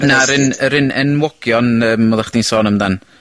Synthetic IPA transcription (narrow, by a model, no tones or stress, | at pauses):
naəɾɪnəɾɪnɛ̰nwɔɡ̥jɔnəːmɔðˠaχd̥insɔːnəmdan